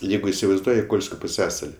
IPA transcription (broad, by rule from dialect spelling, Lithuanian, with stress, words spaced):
ˈjɛɪɡʊ ɪsʲɪʋɐɪzˈduɔjɪ ˈkoːlʲsʲkʲoː pʊˈsʲæːsɐlʲɪ